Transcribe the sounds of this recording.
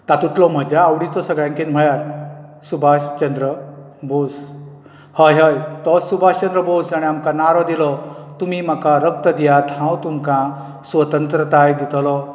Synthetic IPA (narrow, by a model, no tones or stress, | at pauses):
t̪at̪ut̪lɔm̤əd͡ʑaːwɽit͡sɔsəɡɭãŋkinm̤əɭjaɾ | subʱaɕt͡ɕənd̪ɾə | bʱos | həjɦəjt̪ɔssubʱast͡ɕənd̪ɾəbʱosd͡zaɽ̃iamkanaɾɔd̪ilɔt̪umiːm̤akaɾək̚t̪əd̪ijat̪ɦãwt̪umkã | sʋət̪ənt̪ɾət̪ajd̪it̪lɔ